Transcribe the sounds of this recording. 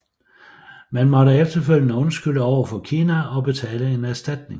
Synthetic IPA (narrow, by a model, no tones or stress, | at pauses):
mænmɒ̽ɾəefd̥ɐføl̰jənəɔ̽nsɡ̥yl̰əɒʊ̰ɐfɒ̽kʰiːnæɒ̽b̥e̝t͡sʰɛ̰ːləe̝næɐsd̥æd̥ne̝ŋ